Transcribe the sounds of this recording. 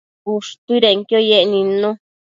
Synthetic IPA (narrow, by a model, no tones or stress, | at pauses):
kuʂt̪uiɾeŋkjojeʔnĩnõ